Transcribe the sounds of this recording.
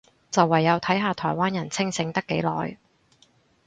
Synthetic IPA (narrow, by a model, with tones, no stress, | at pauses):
t͡sɐ˨wːɐ˨˩jːɐ˨˧wt̪ʰɐ˨˥jɦaː˧t̪ʰɔː˨˩jwaː˥njɐ˨˩nt͡sʰɪ˥ŋsɪ˨˧ŋt̪ɐ˥kːe˨˥jlɔ̰ː˨j